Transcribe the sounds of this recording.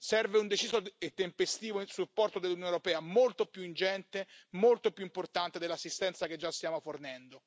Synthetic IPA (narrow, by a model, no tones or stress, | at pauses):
sɛrveund̪et͡ʃiːsoet̪ːempest̪iːvoinsupːɔrt̪od̪elːunjoneʊɾopɛːamolt̪opjuind͡ʒɛnt̪emolt̪opjuimport̪ant̪ed̪elːasːist̪ɛnt̪saked͡ʒːast̪jaːmofornɛnd̪o